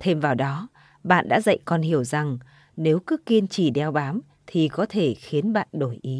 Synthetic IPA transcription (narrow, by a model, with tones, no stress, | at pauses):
t̪ʰe˧mvaː˨˩wɗɔ˨˦ | ɓa̰ː˧˨nɗa̰ː˧˥zə̰˧˨jkɔ˧nhi˧˩əwza˨˩ŋ | ne˨˦wkɨ˨˦ki˧ənt͡ɕi˧˩ɗɛ˧wɓaː˨˦m | t̪ʰi˨˩kɔ˨˦t̪ʰe˧˩xi˨˦ənɓa̰ː˧˨nɗo˧˩jʔi˨˦